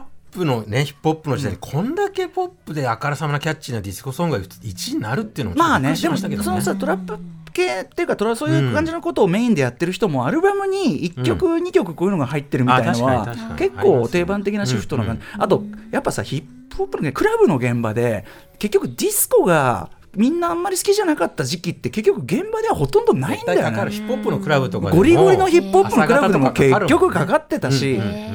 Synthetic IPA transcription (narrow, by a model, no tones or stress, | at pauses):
pːɯ̟no̞neçi̥pːopːɯnod͡ʑiaɲikʰõ̞nd̪ake̞po̞pːɯd̪e̞akaɾasamanakʲat͡ɕinad̪ʲisɨ̥ko̞sõ̞ŋɡait͡ɕiɲinaɾɯ̟t̪ːeiɯ̟no̰mmaːned̪e̞moso̞nosat̪o̞ɾapːɯke̞ːt̪ːeiɯ̟kat̪o̞ɾasoːjɯːkãɲ̟d͡ʑino̞ko̞t̪o̞ːme̞ːĩnd̪e̞jat̪ːe̞ɾɯ̟ç̬i̥t̪o̞mo̞aɾɯ̟bamɯ̟ɲ̟iikʲːo̞kɯ̟ɲ̟ikʲo̞kɯ̟koːjɯ̟noɡaɦait̪ːe̞ɾɯ̟mʲiainoβake̞kːo̞ːt̪e̞ːbãnt̪̬ekʲinaɕiɸɯ̟t̪o̞nokãɲd͡ʑat̪o̞japːasa̰çipː | opːɯnkɯ̟ɾabɯ̟no̞ɡẽ̞mba̰d̪e̞ | ke̞kʲːo̞kɯ̟d̪ʲisɨ̥ko̞ɡa̰ | mʲĩnːaːmːaɾʲisɨ̥kʲiʑanakat̪ːaʑikʲit̪ːe̞ke̞k̬ʲːokɯ̟ɡẽ̞mbad̪e̞βaho̞t̪õ̞nd̪o̞naĩnd̪ajopːɯnokɯɾabɯt̪okɡo̞ɾʲiɡo̞ɾʲino̞çipːhoppːɯnokɯ̟ɾabɯd̪emoke̞kʲːokɯ̟kakat̪ːe̞t̪aɕi